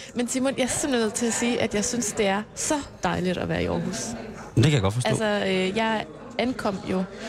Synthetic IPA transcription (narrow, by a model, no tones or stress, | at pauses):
mensimonjɑ̈ɪɐsemn̩nəð̰ˠt͡sʰe̝læsiːʔæd̥jɑ̈ɪsynsd̥e̝æɐsɒ̽d̥ɑ̈ɪliɾ̥ɒʋæːɐiʔɒ̰ːɦṵːs | d̥ekʰæjaɡɒ̽d̥fɒsdælo̰sɒøjɑ̈ɪ | ænkʰɒ̽m̰jo̝